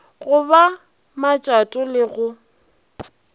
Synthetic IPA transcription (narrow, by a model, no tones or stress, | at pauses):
ɣʊba | mat͡ʃʼatʼʊlɪɣʊ